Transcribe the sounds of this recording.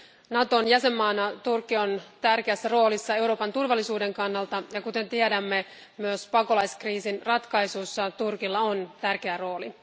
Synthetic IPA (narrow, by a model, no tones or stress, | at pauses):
nɑt̪o̞njæse̞mːɑːnɑt̪urkːiont̪ærkeæsːæro̞ːlisːɑe̞uɾo̞ːpɑnt̪urʋɑlːisuːde̞ŋkɑnːɑlt̪ɑjɑkut̪e̞nt̪iedæmːe | myøspɑko̞lɑjskriːsinrɑt̪kɑjsusːɑt̪urkilːɑont̪ærk̟e̞æro̞ːli